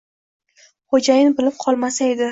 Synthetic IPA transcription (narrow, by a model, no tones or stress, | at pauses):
χod͡ʒajɪnbɪlɪp̚qʰɒlˠmasae̞d̪ɪ